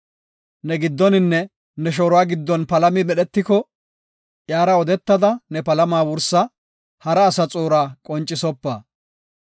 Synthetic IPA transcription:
nɛɡɪd̪ːɔnɪnːɛ | nɛʃ̬oːɾʊaːɡɪd̪ːɔnpɐlɐmɪmɛɗɛt̪ːɪkɔ | ʔjaːɾɐɔd̪ɛt̪ːɐd̪ɐnɛpɐlɐmaːwʊɾsɐ | hɐɾɐːsɐt͡sʼoːɾaːkʼɔnt͡ʃʼːɪsɔpːɐː

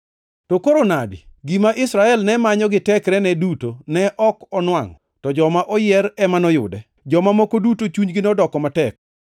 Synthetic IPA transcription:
tɔkoɾonadḭɡimaʔɪsɾaɛlnɛmaɲɔɡɪtɛkɾɛnɛdutonɛʔɔkɔnwaŋ | tɔd͡ʒɔmaʔɔjɪɛɾɛmanɔjʊ̰dɛ | d͡ʒɔmamɔkodutot͡ʃuɲɡɪnɔdɔkɔmatɛk̚

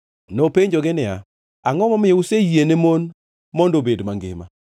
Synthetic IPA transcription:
nopeɲd͡ʒoɡɪnɪa̰ | aŋɔmɔmɪjɔusejenemon | mɔndobedmaŋɡɪ̰ma̰

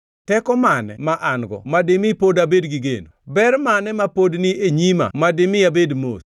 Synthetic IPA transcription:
tɛkɔmanɛ̰maʔaŋɡɔ̰mademipodabedɡiɡḛno̰bɛɾmanɛmapodnieɲima̰mademɪabedmo̰s

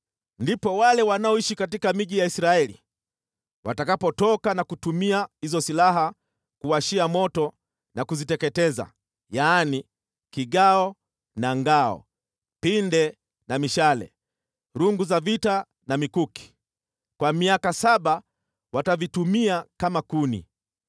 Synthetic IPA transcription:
ndipɔwalɛwanaɔiʃikatikamiʄijaisɾaɛlḭ | watakapɔtɔkanakutumiahizɔsilaɦa | kuaʃiamɔtɔ | nakuzitɛkɛtɛza̰ | jaːni | kiɠaɔ | naŋɡaɔ̰ | pindɛ | namiʃalɛ̰ | ɾuŋɡuzavita | namikuki̥ | kwamiakasaɓa | watavitumiakamakunḭ

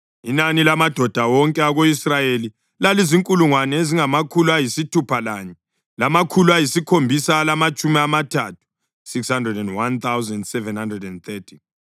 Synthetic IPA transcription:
inanilamad̥ʱɔd̥ʱawɔŋkʼɛaɣoisrajeli | laliziŋkʼuluŋwanɛeziŋamakʰuluajisitʰupʰalaːɲɛ | lamakʰuluajisikʰombʱisalamat͡ʃʼumiamatʰatʰu̥ | sikshandrɛdɛndwant̪awzɛndsɛvɛnhandrɛdɛnt̪ʰɛtʰi̥

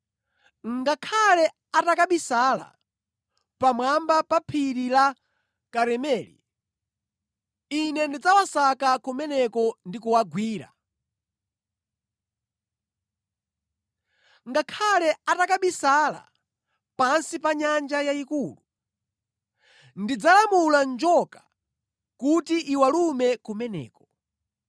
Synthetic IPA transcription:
ŋŋɡakʰalɛ | atakaɓisala̰ | pamwambapapʰiɾila | kaɾɛmɛːlḭ | inɛndid͡zawasakakumɛnɛkɔndikuwaɡwiːɾa̰ | ŋɡakʰalɛatakaɓisala̰ | pansipaɲand͡ʒajaikuːlu | ndid͡zalamuland͡ʒɔkḁ | kutiʔiwalumɛkumɛnɛ̰ːkɔ̥

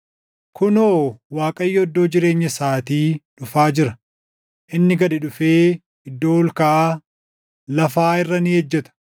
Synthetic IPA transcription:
kʊnoːwaːkʼɐjːɛɔd̪ːo̞ːd͡ʒɪɾe̞ːɲːɐsaːt̪iːᶑʊfaːd͡ʒɪɾɐ | ʔɪnːɪɡɐd̪ɪᶑʊfeː | ɪd̪ːo̞ːlkɐʔa | lɐfaːɪrːɐnɪɛd͡ʒːɛt̪ɐ̥

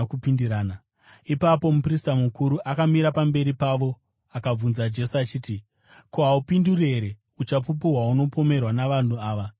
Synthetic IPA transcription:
kupindiɾaːna | ipapo̞mupristamukuɾuʔakamiɾapambe̞ɾipaʋo̞ | akab͡vunzad͡ʒe̞siat͡ʃiːti | koɦaupindurie̞ɾe̞ | ut͡ʃapup̬uɦwauno̞po̞me̞rwanaʋan̤uaːʋa

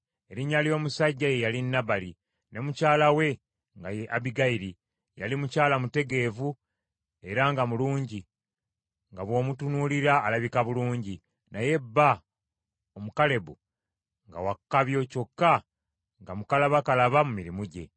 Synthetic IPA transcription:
eɾiɲːalijo̞ːmusaɟːaje̞jalinːaβali | ne̞mucaːlawe̞ | ŋɡajeʔaβiɡaiɾi | ja̰limucaːlamute̞ɡe̞ːvu | e̞ɾaŋɡamuluːɲɟi | ŋɡaβwo̞ːmutunuliɾaːlaβikaβuluːɲɟi | naje̞bːa | o̞mukale̞βu | ŋɡa̰wakːaβjo̞co̞kːa | ŋɡamukalaβakalaβamumiɾimuɟe̞̰

